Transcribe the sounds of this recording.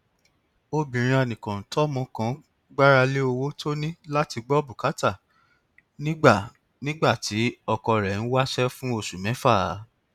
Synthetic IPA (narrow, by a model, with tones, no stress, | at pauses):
o˧bĩ˨ɾ̃ĩ˧˦ɛ˧nĩ˨kã˨n̩˨tɔ˦mɔ̃˧˦kã˨˦ | ɡ͡ba˦ɾa˧le˦o˧wo˦tʰo˦nĩ˦la˦ti˧ɡ͡bɔ˦bu˨ka˨˦ta˦˨ | nĩ˦ɡ͡ba˦˨ | nĩ˦ɡ͡ba˦˨ti˨˦ɔ˧kɔ˧ɾɛ˨n̩˦wa˦ʃɛ˦fũ˦o˧ʃu˨mɛ̃˨˦fa˦˨˦